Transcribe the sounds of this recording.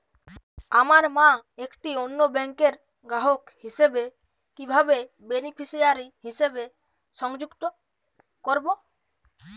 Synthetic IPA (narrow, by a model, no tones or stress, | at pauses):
amaɾmãekʈionːobɛŋkeɾ | ɡɾaɦokhisebe | kibʱabe | benipʰisijaɾiɦisebe | ʃɔŋd͡ʒukt̪o | koɾbo